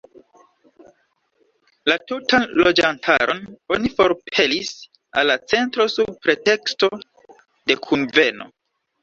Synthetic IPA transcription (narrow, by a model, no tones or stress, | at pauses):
latutanlo̞d͡ʒantʰa̰ɾo̞no̞nifo̞ɾpʰe̞lis | a̰lːat͡se̞ntɾo̞sub̚pɾe̞te̞ksto̞ | de̞kʰunve̞no̰